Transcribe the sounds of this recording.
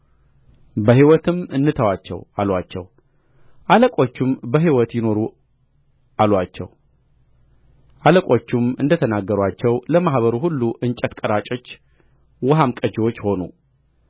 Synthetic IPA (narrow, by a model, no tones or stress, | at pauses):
bəhiwɔt̪ʰɨmɨnːɨt̪ʰəwat͡ʃːɛ̰walwat͡ʃːɛ̰w | ʔaləkʼo̞t͡ʃːumbəɦiwɔt̪jɪno̞ɾu | alwat͡ʃːɛ̰w | ʔaləkʼo̞t͡ʃːumɨ̰nd̪ət̪ʰənaɡːəɾwat͡ʃːɛwləmahβəɾuɦulːuʔɨnt͡ʃʼət̪kʼəɾat͡ʃʼo̞t͡ʃː | wəɦamkʼəd͡ʒewo̞t͡ʃːho̞nṵ